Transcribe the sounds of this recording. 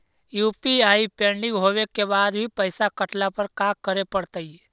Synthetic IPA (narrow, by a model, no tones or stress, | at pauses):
juːpiaːipẽːɳɖɪ̃ŋɡɦoːʋekebaːd̪bʱipəɪsakəʈlapəɾkaːkəɾepəɽt̪ai